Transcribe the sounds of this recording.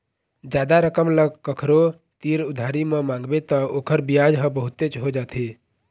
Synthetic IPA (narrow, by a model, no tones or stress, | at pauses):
d͡ʒad̪aɾəkəmləɡ̚kəkʰɾo | t̪iɾud̪ʱaɾimẽmãŋɡbet̪ɔokʰəɾbijad͡ʒɦə̃bəɦut̪et͡ʃɦod͡ʒat̪ʰi